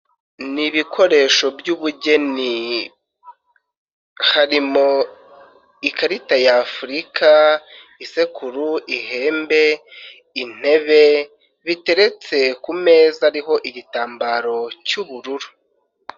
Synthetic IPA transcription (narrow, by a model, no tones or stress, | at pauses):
niβikʰo̞ɾe̞ːʃo̞bjuβuɟe̞ni | haɾimo̞ | ikaɾitajafuɾikʰa | ise̞kʰuɾuʔiɦe̞ːmbe̞ | in̥e̞βe̞ | βite̞ɾe̞t͡se̞kume̞ːzaɾiɦo̞ʔiɟitaːmbaːɾo̞cuβuɾuɾu̥